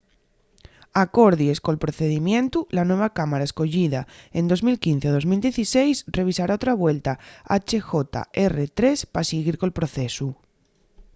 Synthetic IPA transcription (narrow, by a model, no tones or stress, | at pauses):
ako̞ɾðje̞sko̞lpɾo̞θe̞ðimjẽ̞nt̪ulanwe̞β̞akamaɾae̞sko̞ʝiðae̞nd̪o̞zmilkin̟θeoðo̞zmild̪je̞θise̞jsre̞β̞isaɾaot̪ɾaβ̞we̞lt̪aa̰t͡ʃe̞xo̞t̪a̰e̞ret̪ɾe̞spasiɣiɾkolpɾo̞θe̞su